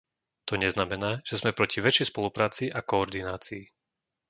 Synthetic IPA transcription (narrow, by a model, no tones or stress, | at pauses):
t̪ɔɲɛznamɛnaːʒ̥ɛzmɛpɾɔciʋɛt͡ʃɛjspɔlupɾaːt͡siʔakɔːɾd̪inaːt͡siː